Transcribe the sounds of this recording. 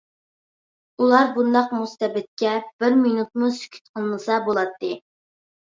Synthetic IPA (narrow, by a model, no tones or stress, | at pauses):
ulˠɑɾbund̪ɑqmust̪ɛbɪt̪̚kʲɛb̥ɪɾminut̪̚musy̥kʲʰy̥t̪qʰəlˠmɨsɑbolˠɑt̪ːɨ